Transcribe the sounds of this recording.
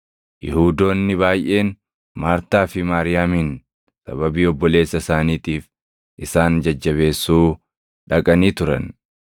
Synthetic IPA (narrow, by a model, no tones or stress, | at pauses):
jɪ̰huːd̪o̞ːnːɪβaːjʔe̞ːn | maːɾt̪aːfɪmaːɾɪjaːmiːn | sɐ̰bɐbiːɔbːɔle̞ːsːɐsaːniːt̪iːf | ʔɪsaːnd͡ʒɐd͡ʒːɐβe̞ːsːuː | ᶑɐkʼɐniːt̪ʊɾɐ̰n